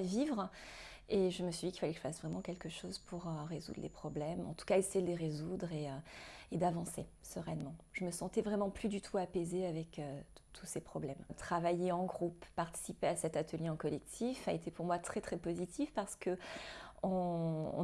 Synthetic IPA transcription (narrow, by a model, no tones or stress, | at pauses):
vivʁ | eʒəməsɥid̪ikilfalɛkə̥ʒəfasvʁɛmɑ̃kʲɛlkəʃozpʰuʁøʁezṵd̪ʁlʔḛpχɔblɛmɑ̰̃t̪u̥kaesejed̪əleʁezud̪ʁeøed̪avɑ̃sesəʁɛnmɑ̃ʒ̥əməsɑ̃t̪ɛvʁɛmɑ̃plyd̪yt̪ʰuapezeavɛkøt̪ʰu̥sepχɔblɛmt̪χavajeɑ̃ɡʁupːaʁt̪i̥sipeasɛt̪at̪əljeɑ̃kɔlɛk̚t̪ʰifaet̪epuʁmwat̪χɛt̪χɛpozit̪ʰifpaʁsə̥kə | ɔ̰̃